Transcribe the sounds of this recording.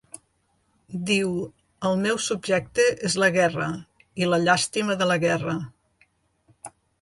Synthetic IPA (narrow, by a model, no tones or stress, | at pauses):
d̪iw | əlˠmɛwsubʒɛk̚t̪əʔezləɣɛrə | iləʎast̪iməðələɣɛrə